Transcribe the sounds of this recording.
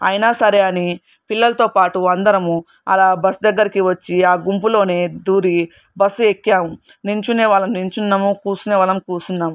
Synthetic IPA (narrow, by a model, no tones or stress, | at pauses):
ɐ̰jnaːsɐɾeɐni | pilːɐlɐt̪o̞ːpaːʈuɐnd̪ɐɾɐmu | ɐ̰laːbɐsd̪ɐɡːɐɾikiʋɐt͡ʃːiaːɡump̬ulo̞ːne̞ːd̪uːɾi | bɐsːuekːjaːmuniɲt͡ʃuneːʋaːɭɐmniɲt͡ʃunːamukuːsuneːʋaːlɐmkuːsunːaːmu